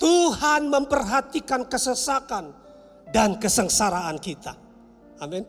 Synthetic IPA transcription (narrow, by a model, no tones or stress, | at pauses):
t̪uhanməmpərɦat̪ikankəsəsakan | dankəsəŋsaɾaːnkit̪a̰ | amɪn